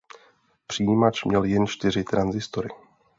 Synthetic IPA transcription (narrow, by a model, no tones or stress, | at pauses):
pr̥ijimat͡ʃmɲɛljɛnt͡ʃt̪ɪrɪt̪ɾanzɪst̪oɾɪ̰